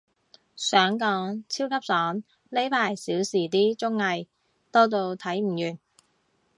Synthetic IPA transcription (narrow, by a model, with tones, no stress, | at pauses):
sœː˨˥ŋkɔː˨˥ŋt͡sʰiː˥wkʰɐ˥p̚sɔː˨˥ŋ | le˥jpʰaː˨˩jsiː˨˥wsiː˨˩t̪iː˥t͡sʊ˥ŋːɐ˨˧j | t̪ɔː˥t̪̬o˧wt̪ʰɐ˨˥jm̩˨˩jyː˨˩n